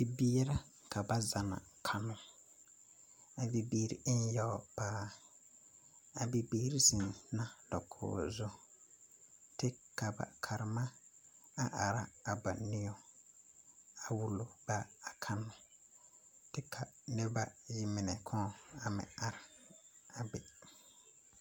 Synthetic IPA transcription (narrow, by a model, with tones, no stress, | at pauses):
bi˨bi˦ɾa˦ka˨ba˦za˨na̰˨kʰa˦nʊ˦ | a˨bi˨biː˦ɾḭ˨ɪ˦n˦jɔ˦paː˦ | a˨bi˨biː˦ɾi˦sɪ˨nna˦dɔ̰˨kʰʊ̰ː˨zʊ˦ | tɪ˦ka˨ba̰˨kʰa˨ɾɪ˨ma˦a˦ʔa˨ɾa˦a˨ba˨nɪ˦ɔ˦ | a˨wu˨lo˨ba˦a˨kʰa˦nʊ˦ | tɪ˦kʰa˨nɪ˦ba˦ji˦mɪ˨nɛ˨kʰɔ̃˦˨a˨mɪ̰̃˨a˨ɾɪ˨a˨bɪ˨